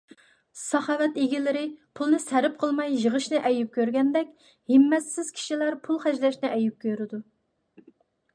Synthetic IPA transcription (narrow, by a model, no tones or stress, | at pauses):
sɑχɑːwɛt̪eɡʲilɪɾɪpʰulˠnɨsæɾɪp̚qʰəlˠmɑjʒəʁəʃnɨʔɛjyp̚kʲʰøɾɡʲɛnd̪ɛkʲ | hɪmːɛsːɪz̥kʲʰi̥ʃilæɾpʰulˠχɛd͡ʒlɛʃnɪʔɛjyp̚kʲʰøɾɪd̪u